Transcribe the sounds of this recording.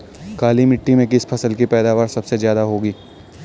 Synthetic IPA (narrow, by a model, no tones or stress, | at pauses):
kaːlimɪʈːimẽkɪspʰɐsəlkipɛːd̪aːʋaːɾsɐbsezjaːd̪aɦoːɡiː